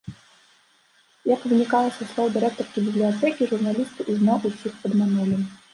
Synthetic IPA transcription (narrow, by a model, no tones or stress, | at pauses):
jɐkvɨnʲikalˠɐsʲɐslˠɔwd̪ɨɾɛk̚t̪ɔrʲkʲibʲiblʲiat̪ɛkʲiʐurnalʲist̪ɨʔuznawʔusʲixpɐd̪mʲanulʲi